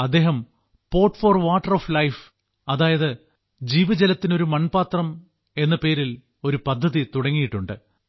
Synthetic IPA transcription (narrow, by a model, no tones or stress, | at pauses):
ɐd̪ːe̞ːɦɐm | po̞ːrʈfoːrʋaːʈːɐroːflɐjf | ɐðaːjɐðɨ | d͡ʑiːʋɐd͡ʑɐlɐt̪ːino̞ɾumɐnpaːt̪rɐm | e̞nːɐpe̞ːɾil | o̞ɾupɐd̪ʱːɐðit̪uɽɐŋːijiʈːuɳɖɨ